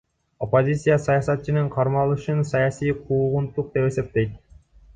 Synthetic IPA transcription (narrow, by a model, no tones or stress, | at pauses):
opozʲit̪sɨjasɑjɑsɑt̪t͡ɕɪnɯɴqʰɑɾmɑlˠɯʃɯnsɑjɑsʲijqʰuːʁunt̪ːuq̚d̪epesep̚t̪ejt̪̚